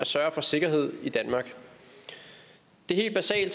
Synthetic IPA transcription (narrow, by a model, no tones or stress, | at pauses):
æsɶɐfɒ̽se̝ɡ̥ɐɦe̝ð̰ˠid̥ænmɑ̈ːɡ̥ | d̥e̝he̝̰ːld̥̚b̥æsɛ̰ːld